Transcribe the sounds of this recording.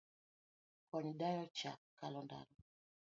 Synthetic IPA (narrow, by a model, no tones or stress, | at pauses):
kwaniɗajɔt͡ʃa̰kalɔnda̰lɔ